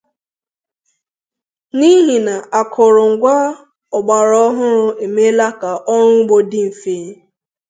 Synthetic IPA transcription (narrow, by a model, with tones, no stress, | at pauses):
ni˦ɦi˨na˨ʔa˨kʰʊ˨ɾʊ˨ŋ̩˨ɡʷa˦ | ɔ˨ɡ͡ba˨ɾɔ˦ɔ˦ɦʊ˦ɾʊ˦e˨me˦la˦ka˨ʔɔ˦ɾʊ˦ɡ͡bo˦dɪ˦m̩˨fe˨˦